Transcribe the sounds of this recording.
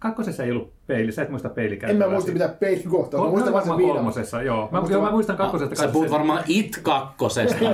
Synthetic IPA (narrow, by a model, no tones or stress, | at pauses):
kɑkːosesːeijolːup | peilisæet̪muist̪ɑppeilikæemmæːmuist̪ɑmit̪æːppeiliŋkoht̪okooɑɑŋkolmosesːɑjoːmæjomæmuist̪ɑŋkɑkkːosest̪ɑkɑepuuʋɑrmɑːʔit̪kɑkːosest̪ɑ